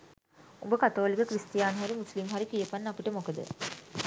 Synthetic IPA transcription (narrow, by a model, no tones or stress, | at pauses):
umbəkat̪oːlikəkrisʈijaːnɦaɾimuslimɦaɾikijəpanːapiʈəmokəd̪ə̰